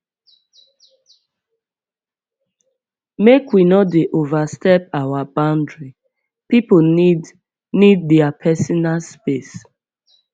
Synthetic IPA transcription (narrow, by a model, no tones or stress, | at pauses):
mekwinɔdeʔovastɛpawabãʊ̃ndɹi | pipoid | nid̚dɛapʰɛsɔnalspes